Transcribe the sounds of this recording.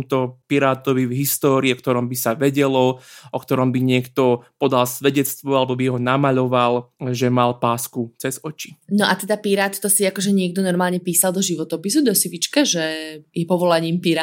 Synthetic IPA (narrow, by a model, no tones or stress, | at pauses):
mt̪ɔpiɾaːt̪ɔʋivɦist̪ɔːɾiːɔk̚t̪ɔɾɔmbisaʋɛɟɛlɔʔɔkt̪ɔɾɔmbiɲɪɛkt̪ɔpɔd̪alsʋɛɟɛt͡st̪ʋɔalɛbɔbiɦɔnamaʎɔʋalʒɛmalpaːskut͡sɛzɔt͡ʃi̥nɔʔat̪ɛd̪apiɾaːt̪t̪ɔsiakɔʒɛɲɪɛɡd̪ɔnɔɾmaːlɲɛpiːsalˠd̪ɔʒiʋɔt̪ɔpis̬ud̪ɔsiʋit͡ʃkaʒɛjɛpɔʋɔlaɲiːmpiɾa